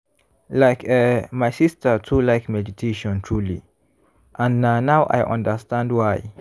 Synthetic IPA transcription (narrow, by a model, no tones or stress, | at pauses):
laɪkɛmajsistʰətʰulaɪkmɛditʰeʃɔ̃ntʰɹuli | ʔãnnanawʔa̰jʔã̰ndəstãndwaj